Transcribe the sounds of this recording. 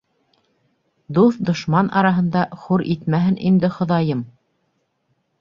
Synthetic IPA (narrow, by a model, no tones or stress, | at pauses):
d̪uθd̪ŏʃmɑnʔɑɾɑɦɤ̆nd̪ɑχuɾʔit̪mæɦɘnʔind̪ɘχŏðɑjɤm